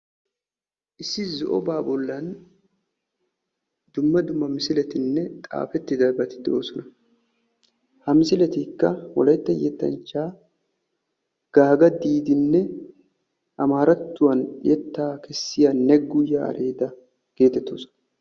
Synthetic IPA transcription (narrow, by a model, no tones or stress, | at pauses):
ʔɪsːɪzɔʔɔbaːbɔlːɐn | d̪̥ʊmːɐd̪ʊmːɐmɪsɪlɛt̪ɪnːɛt̪ʼa̰ːfɛt̪ːɪd̪ɐbɐt̪ɪ̥d̪ɛʔo̞ːsɔnɐ | hɐmɪsɪlɛt̪ɪkːɐwɔ̰lɐjt̪ːɐjɛt̪ːɐ̰nt͡ʃːaː | ɡ̥aːɡɐd̪iːd̪ɪnːɛ | ʔɐmaːɾɐt̪ːʊwɐnjɛt̪ːaːkɛsːɪjanːɛɡːʊjaɐ̰ɾʔe̞ːd̪ɐ | ɡ̥e̞ːt̪ɛt̪ːoːsɔ̥nɐ